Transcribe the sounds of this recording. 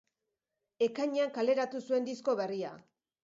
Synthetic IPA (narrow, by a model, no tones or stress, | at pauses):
e̞kaɲeaŋkale̞ɾat̪usue̞nd̪isko̞βe̞ria̰